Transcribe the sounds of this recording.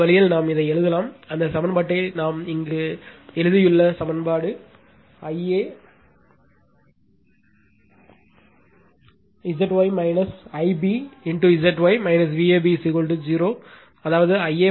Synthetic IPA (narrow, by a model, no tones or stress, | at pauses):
ɐlɪjɪlnaːmɪðɐɪɛɻɯðɐlaːmɐnd̪ɐsɐmɐnbaːʈːɐɪnaːmɪŋɡeɛɻɯðɪjɯɭːɐsɐmɐnbaːɽɯ | ɐɪeː | ɪd͡ʒɐʈːʋɐɪmɐɪnɐsɐɪbiɪɳʈuɪd͡ʒɐʈːʋɐɪmɐɪnɐs̬ʋiːeːbisiɣɔlʈɯd͡ʒiːɾoː | ɐðaːʋɐðɯɐɪeː